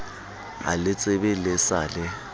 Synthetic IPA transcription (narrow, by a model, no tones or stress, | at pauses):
a̰lɪt͡sʼɪbɪlɪsalɪ